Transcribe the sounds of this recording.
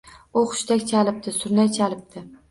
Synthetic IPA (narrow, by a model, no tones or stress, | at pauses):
ʊχʊ̥ʃt̪akʲt͡ʃʰalɪp̚t̪ʰɪsʊɾnat͡ʃʰalɪp̚t̪ʰɪ